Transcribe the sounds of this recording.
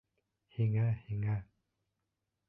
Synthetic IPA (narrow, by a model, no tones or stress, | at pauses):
hiŋahiŋa